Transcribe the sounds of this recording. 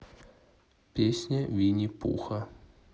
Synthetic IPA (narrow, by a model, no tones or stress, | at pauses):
pʲesʲnʲɐvʲinʲipṵxɐ